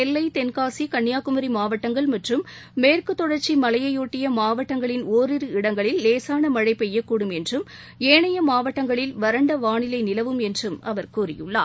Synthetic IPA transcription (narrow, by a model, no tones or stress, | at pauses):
ɛlːɐɪt̪ɛnkaːsikɐɳːjaːkɯmɐɾimaːʋɐʈːɐŋɡɐɭmɐʈrɯmː | eːrkɯt̪ːɔɽɐɾt͡ʃimɐlɐjɐjoːʈːɪjɐmaːʋɐʈːɐŋɡɐɭɪnoːɾɪɾɯɪɽɐŋɡɐɭɪlːeːsaːnɐmɐɻɐɪpːɛjːɐkːuːɽɯmɛndrɯm | eːɳɐjɐmaːʋɐʈːɐŋɡɐɭɪlʋɐɾɐɳɖɐʋaːɳɪlɐɪnɪlɐʋɯmɛndrɯmɐ̰ʋɐɾkuːrɪjɯ̰ɭːa̰ː